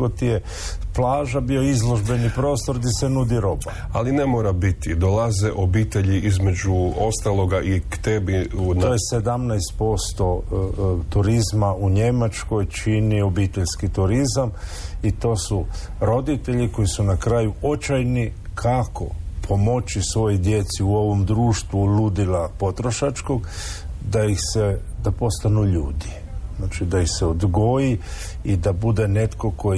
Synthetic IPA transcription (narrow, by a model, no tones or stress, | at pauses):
ɡot̪ije | plˠaːʒabioizlˠo̞ʒbe̞nipɾo̞ːst̪o̞ɾd̪isenud̪iɾo̞ba | a̰linemoːɾabit̪id̪olˠazeʔobiːt̪eʎiʔizme̞d͡ʒuo̞st̪alˠo̞ɡaʔikt̪ebiunojese̞d̪amnajst̪̚po̞st̪o̞ | t̪uɾizmauɲe̞mat͡ʃko̞jt͡ʃinio̞biːt̪e̞ʎskit̪uɾizamit̪o̞ːsuɾo̞d̪it̪e̞ʎiko̞jisunakɾajuo̞t͡ʃajnikʰako̞̰pʰo̞mo̞t͡ʃisʋo̞jid̪je̞t̪siuo̞ʋo̞md̪ɾuːʃt̪ʋulud̪ilapo̞t̪ɾo̞ʃat͡ʃko̞ɡd̪aixsed̪apo̞st̪anuʎuːd̪i | znaːt͡ʃid̪aixseod̪ɡo̞ji | id̪abud̪e̞ne̞t̪ko̞ko̞